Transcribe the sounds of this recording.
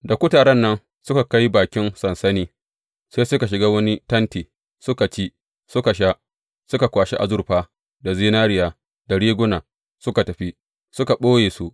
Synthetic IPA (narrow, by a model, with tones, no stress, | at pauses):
da˨kʷʊ˦taː˨ɽɐ˦nːɐ˦n | sʊ˦ka˨ka˦jbaː˨kʲɪ˦nsɐ˨nsɐ˦niː˦ | seː˦sʊ˦ka˨ʃ̬ɪ˨ɡaː˦wɐ˦ni˦tɐ˦ntiː˨ | sʊ˦ka˨t͡ʃiː˦ | sʊ˦ka˨ʃ̬a˦ʔ | sʊ˦ka˨kʷaː˨ʃi˦ʔa̰˨zʊ˦rɸaː˦ | da˨ziː˦naː˦ɽɪ˨jaː˨ | da˨ɽiː˦ɡʷʊ˦naː˨ | sʊ˦ka˨tɐ˨ɸi˦ | sʊ˦ka˨ɓoː˦jeː˨su˦ʔ